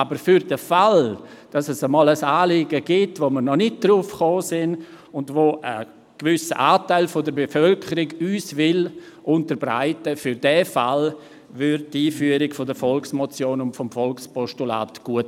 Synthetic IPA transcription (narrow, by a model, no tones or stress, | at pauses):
abəɾfʏɾd̥əfal | d̥ɑsɛsəmɔːləsaːlɪɡəɡ̥ɪtvomənɔnɪt̚d̥ɾuːfχoːsɪn | ʊndvoːʔə̰ | ɡ̥vʏsə̰ʔaːtaɪlfodəɾbefœlkʰəɾɪɡyːsvɪlʔʊntəɾbɾa̰ɪtəfʏɾdɛːfal | vʏɾt̚tiːfyːəɾɪɡfodəɾfɔlksmot͡sjoːnʊntfɔmfɔlkspɔʃtula̰ːtɡ̥uət